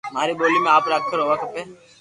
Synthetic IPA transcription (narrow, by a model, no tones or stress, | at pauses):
m̤aːɾiɓoːliːmẽaːpɾaːk̚t̪ʰəɾɦoːʋaːkəpẽː